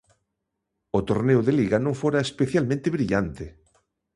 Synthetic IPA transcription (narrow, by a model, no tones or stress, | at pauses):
ot̪oɾneoðeliɣanõŋfoɾaespeθjalmẽnt̪eβɾiʎant̪e